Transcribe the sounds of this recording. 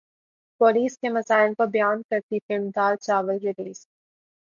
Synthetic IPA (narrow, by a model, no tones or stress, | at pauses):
pɔːliːskemɐsaːɪlpɐɾbɐjaːnkɐɾt̪ifɪlmd̪aːɾt͡ʃaːʋəlɾɪɾiːs